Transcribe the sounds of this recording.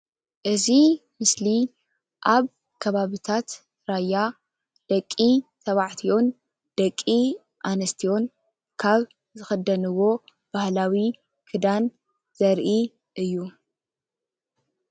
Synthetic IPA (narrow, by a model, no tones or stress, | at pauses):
ʔɨzimɨsli | ʔaβ | kʰɐβaβit̪ʰat̪ | ɾajːa | d̪̥ɐkʼːit̪ʰɐβaʕt̪ʰio̞n | d̪̥ɐkʼːi | ʔanɐst̪ʰijo̞n | kʰaβ | zɨxɐd̪ɐnɨwo̞ | b̥ahlawi | kʰɨd̪an | z̥ɐɾʔi | ʔɨjːu